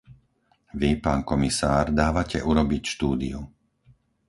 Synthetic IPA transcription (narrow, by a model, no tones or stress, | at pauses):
ʋipaːnkɔmisaːɾd̪aːʋacɛʔuɾɔbicʃt̪uːd̪ḭu